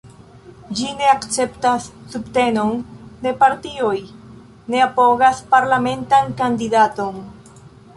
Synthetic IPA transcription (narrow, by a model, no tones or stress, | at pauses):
d͡ʒineakt͡sept̪asːupt̪e̞no̞nne̞paɾt̪ioj | neapoɣaspaɾlamẽ̞nt̪aŋkand̪idat̪o̞ŋ